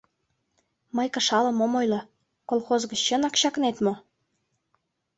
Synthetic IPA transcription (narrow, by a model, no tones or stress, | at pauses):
mɤjkə̆ʃɑlɤ̆momojlɤ̆ | kolˠxozɣə̆t͡ɕɕə̆nɑkɕɑknet̪mo